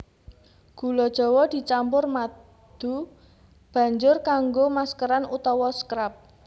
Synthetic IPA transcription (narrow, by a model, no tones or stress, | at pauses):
ɡ̥ṳlɔd̥ʒ̥ɔ̤wɔd̪̥i̤t͡ʃampʊrma | d̪̥u | b̥ä̤ɲd͡ʒʊrkaŋɡomaskəɾanut̪ɔwɔskɾap̚